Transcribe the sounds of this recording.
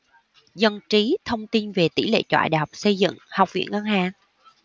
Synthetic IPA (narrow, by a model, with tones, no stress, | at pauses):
zə˨˩ŋt͡ɕi˨˦t̪ʰə˧wŋ͡mt̪i˧nve˨˩t̪ḭ˧˩lḛ˧˨t͡ɕwa̰ː˧˨jɗa˨˩wk͡p̚sə˧jzɨ̰˧˨ŋha˨˩wk͡p̚vḭ˧˨ənŋa˧ŋɦaː˨˩ŋ